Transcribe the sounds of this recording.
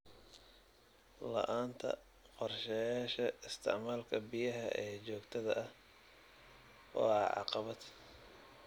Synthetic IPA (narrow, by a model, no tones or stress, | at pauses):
lɐ̰ʔaːnt̪ʰɐ̰ | qɔrʃɛjaːʃɐɪst̪ʰɪ̰ʕmaːlkʰɐbɪjɐɦɐʔɛːt͡ʃɔːɡt̪ʰɐðɐʔɐh | ʔɔ̰ːɑʕɑ̰qɑβɐd̪